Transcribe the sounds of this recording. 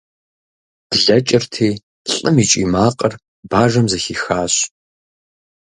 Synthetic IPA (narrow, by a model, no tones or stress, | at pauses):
d̥ɮɐt͡ʃʼɪrtʰiː | ɬʼɨmiːt͡ʃʼḭːmaːqʼər | baːʒɐmzɐxiːxaːɕ